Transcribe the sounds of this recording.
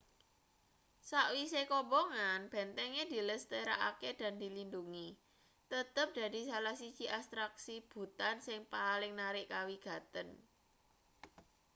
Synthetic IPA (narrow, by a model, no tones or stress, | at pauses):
saʔwisekɔbɔŋanb̥ɛ̤nt̪ɛŋed̪̥i̤ləst̪eɾaʔa̰ked̪̥a̤nd̪i̤linduŋi | t̪ət̪əp̚d̪̥a̤d̪̥i̤salahsi̥t͡ʃiʔast̪ɾaksib̥ṳt̪ansɪŋpalɪŋnaɾɪʔkawiɡ̥ä̤t̪ən